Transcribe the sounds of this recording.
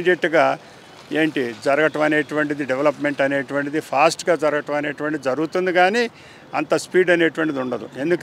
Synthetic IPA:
d͡ʒeʈːuɡaː | eːɳʈid͡ʒɐɾɐɡɐʈɐmɐne̞ːʈuʋɐɳʈid̪iɖeʋelɐpme̞ɳʈɐne̞ːʈuʋɐɳʈid̪ipʰaːsʈɡaːd͡ʒɐɾɐɡɐʈɐmɐne̞ːʈuʋɐɳʈid̪id͡ʒɐɾuɡut̪und̪iɡaːniː | ɐnt̪ɐspiːɖɐne̞ːʈuʋɐɳʈid̪iuɳɖɐd̪ṵe̞nd̪uk

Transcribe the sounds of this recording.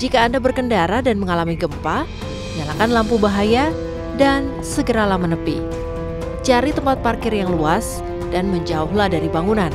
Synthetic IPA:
d͡ʒikaːndabərkəndaɾadanməŋalamiɡəmpa | məɲalakanlampubaɦaja | dan | səɡəɾalamənəpḭ | t͡ʃaɾit̪əmpat̪̚parkɪrjaŋluas | danməɲd͡ʒauhlahdaɾibaŋunan

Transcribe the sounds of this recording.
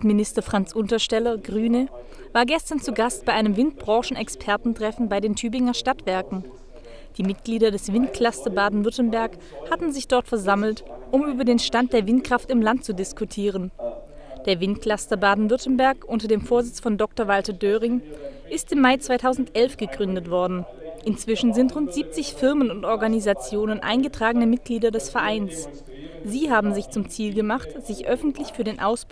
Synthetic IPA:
mɪnɪstɐfʁ̥ant͡sʔʊntɐʃtɛlɐɡʁyːnə | vaːɐɡɛstɐnt͡suɡastb̥aɪʔaɪnəmvɪnt̚b̥ʁɑ̃ːʃn̩ɛkspʰɛɐtn̩tʁ̥ɛfn̩baɪdeːntʰyːbɪŋɐʃtatv̥ɛɐkŋ̩ | d̥iːmɪt̚ɡ̥liːdɐdɛsv̥ɪntkʰl̥astɐbaːdn̩vʏɐtn̩bɛɐk | hatn̩zɪçd̥ɔɐtfɛɐzaml̩tʔʊmʔyːbɐdeːnʃtant̚d̥eːɐvɪntkʁ̥aftɪmlant̚t͡sudɪskutʰiːʁ̞ən | d̥eːɐvɪntkl̥astɐbaːdn̩vʏɐtn̩bɛɐkʔʊntɐdeːmfoːɐzɪt͡sfɔndɔk̚tɐvaltɐdøːʁɪŋʔɪstɪmːaɪt͡sv̥aɪtʰaʊzn̩tʔɛlfɡ̥əɡʁʏndətv̥ɔɐdn̩ | ʔɪnt͡sv̥ɪʃn̩zɪntʁʊntz̥iːp̚t͡sɪçfɪɐmənʊntʔɔɐɡanizat͡sjoːnənʔa̰ɪnɡətʁ̥aːɡənəmɪt̚ɡ̥liːdɐdɛsfɛɐʔaɪns | z̥iːɦaːbm̩zɪçt͡sʊmt͡siːlɡəmaχtz̥ɪçʔœfn̩tʰlɪçfyːɐdeːnʔaʊs

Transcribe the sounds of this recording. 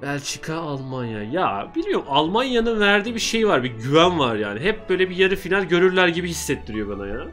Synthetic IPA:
ælʲt͡ʃʰi̥kʰaːlˠmanja̰jabilʲmijo̞ɾmalˠmanjanɯnvæɾd̪iːbiʃe̞jvaɾbiɟyvænvaɾja̰ːniɦɛp̚b̥ø̞ːjlʲɛbijaɾɯfinʲalʲɟø̞ɾyɾlʲæɾɟibihisːɛt̪ʰːiɾijo̞banajaɾa

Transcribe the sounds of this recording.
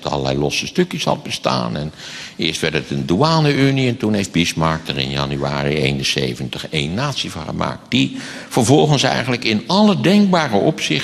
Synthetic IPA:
tɑ̰lˠəlɛ̰jlɔsəstɵkjəshɑ̰l̚ˠbəsta̰ːnɛnɪːɹstʋɛɹdətənduaːnəyniɛntunɦejfd̚bɪsmɑɹk̚tərɪ̰njɑ̰nya̰ːriejnənsḛjvəntəχejnːaːtsivɑŋχəma̰ːk̚t̚d̥iv̥əɹvɔlˠχənsɛ̰jχənləkɪnɑlədɛŋk̚baːrəɔpsɪχ

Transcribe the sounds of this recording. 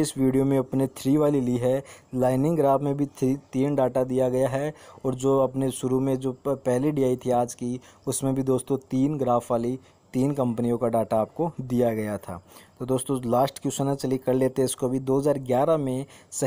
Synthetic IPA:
ɪsʋiːɖijomẽɐpnet̪ʰɾiːʋaːliliɦɛlaːɪnɪ̃ŋɡɾaːfʰmẽbʱit̪ʰɾiːt̪iːnɖaːʈad̪ijaɡɐjaɦɛɔːɾd͡ʒoːɐpneʃʊɾumẽd͡ʒoːpɛɦliɖijaːit̪ʰiaːd͡ʒkiʊsmẽbʱid̪oːst̪õt̪iːnɡɾaːfʋaːli | t̪iːnkɐ̃mpənijõkaɖaːʈaːp̚kod̪ijaɡɐjat̪ʰa̰ːt̪od̪oːst̪õlaːsʈkjuːsənat͡ʃɐlikɐɾleːt̪eɛɪskobʱid̪oːɦɐzaːɾɡjaːɾamẽsɐ

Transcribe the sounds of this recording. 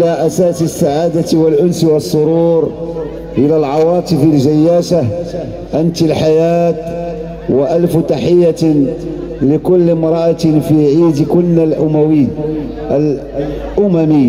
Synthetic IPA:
ʔlaʔæsaːsɪsːaʕaːd̪at̪walʔʊnswɑsˤːʊɾuːɾ | ʔəlalʕɑwɑːt̪ˤɨfɪlʒajːaːʃah | ʔant̪ɪlħajaːt̪ | waʔalft̪aħɪjːa | lɪkʊlːmɾˤɑʔat̪fiʕiːd̪kʊlːnalʔʊmæwiː | ʔl | ʔʊmæmi

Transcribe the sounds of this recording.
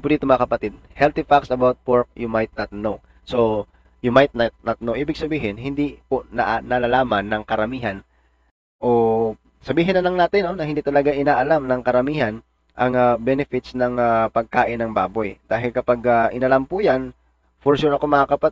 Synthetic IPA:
pʊd̪iːt̪omɐŋɐkɐpɐt̪ɪd̪̚hɛlt̪ɪfaksɐbawt̪̚pɔɹk̚jumajt̪̚nɐt̪̚now | so | jʊmajt̪̚nɐt̪̚nɐt̪̚nowʔiːbɪɡ̚sɐbiːɦɪnhɪnd̪iponɐ̰ʔanɐlalaːmɐnːɐŋkɐɾɐmiːɦɐn | ʔoː | sɐbiːɦɪnɐlɐŋnaːt̪ɪnːo̞nɐhɪnd̪iːt̪ɐlɐɡaŋʔɪnaːʔɐlamnɐŋkɐɾɐmiːhɐn | ʔɐŋabɛnɛfɪt̪snɐŋapɐɡ̚kaːʔɪnɐŋba̰ːbojd̪̥aːɦɪlkɐpaɡaʔɪnɐlampʊjan | foɹsuɾɐko̞mɐŋakɐpɐ

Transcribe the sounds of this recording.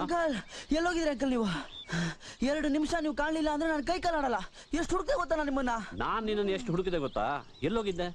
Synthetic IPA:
ɐŋkɐlɛlːoːɡid̪ɾeɐŋk̬ɐlniːʋu | ɛɾɐɽunimʂɐniːʋukaːɳlilːɐːnd̪ɾe̞naːnkɐjkɐlaːɽɐlːɐ | eʂʈɦuɽuk̚d̪eːɡɔt̪ːalːanimɐnːɐnaːnːinːɐnːeʂʈɦuɽuk̬id̪eɡɔt̪ːa̰ː | elːoːɡid̪ːe

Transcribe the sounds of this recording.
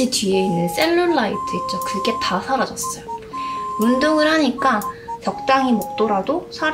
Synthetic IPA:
itɥie̞inːɯns͈e̞ɭːuɭːaitʰɯit̚t͡ɕ͈okɯɡe̞tasʰaɾad͡ʑʌs͈ʌjo | undoŋɯɭhaɲik͈at͡ɕʌk̚t͈aŋimok̚t͈oɾadosʰa

